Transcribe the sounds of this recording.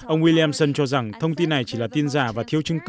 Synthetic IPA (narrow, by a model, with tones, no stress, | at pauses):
ʔə˧wŋ͡mwi˧li˧a˧msə˧nt͡ɕɔ˧za˨˩ŋt̪ʰə˧wŋ͡mt̪i˧nːa˨˩jt͡ɕḭ˧˩laː˨˩t̪i˧ənzaː˧˩vaː˨˩t̪ʰi˧˦əwt͡ɕɨ˧ŋk